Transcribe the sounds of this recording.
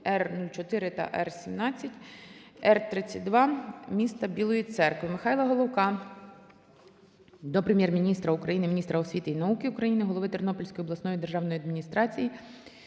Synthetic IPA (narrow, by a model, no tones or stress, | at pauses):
ɛrnulʲt͡ʃɔt̪ɪɾɪt̪ɐ̰ʔɛ̰rsʲimnɑt͡sʲːɐtʲɛrt̪ɾɪt͡sʲːɐt̚ʲd̪ʋɑmʲist̪ɐbʲilˠɔjit̪sɛrkʋɪmɪxɑjlˠɐɦɔlˠɔwkɑ | d̪ɔpɾemjɛrmʲinʲist̪ɾɐukɾɐjinɪmʲinʲist̪ɾɐɔsʲʋʲit̪ɪinɐukɪʊkɾɐjinɪɦɔlˠɔʋɪt̪ernɔpɔlʲsʲkɔjɔb̪lˠɐsnɔjid̪erʒɑwnɔjiɐd̪mʲinʲist̪ɾɑt͡sʲiji